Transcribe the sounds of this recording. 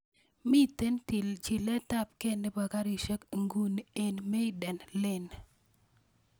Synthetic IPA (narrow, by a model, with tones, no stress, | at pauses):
mi˦˨te˦nti˨lt͡ʃɪ˨lɛ˦ta˦p̚ke˦ne˦ba˨ka˦ɾi˨ʃe˦kŋɡu˦ne˨nme˦ɪ˦dɛ˨nlɪ˦˨n